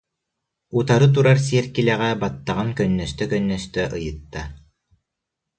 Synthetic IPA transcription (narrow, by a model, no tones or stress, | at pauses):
ut̪aɾɯt̪̬uɾaɾs̬iɛɾkilæʁæbat̪ːaʁaŋkœnːœst̪œkœnːœst̪œʔɯjɯ̆t̪ːa